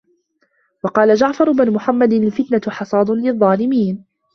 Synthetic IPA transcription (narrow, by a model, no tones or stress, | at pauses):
wɑqɑːlad͡ʒaʕfɑɾˤʊbnʊmʊħamːad̪nalfɪt̪naħɑsˤɑːd̪ˤʊnlɪðˤːɑːlɪmiːn